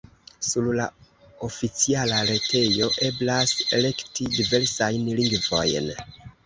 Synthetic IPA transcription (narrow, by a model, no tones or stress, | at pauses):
suɾla̰ | o̞fit͡sialaɾe̞tʰe̞jo̞ʔe̞blase̞̰le̞ktidive̞ɾsajnliŋɡvo̞̰jn